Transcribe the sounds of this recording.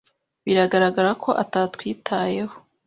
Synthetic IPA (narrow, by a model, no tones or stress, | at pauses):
βiɾaɡaɾaɡaɾakʰo̞ʔataːtkwiːtʰaːje̞ho̥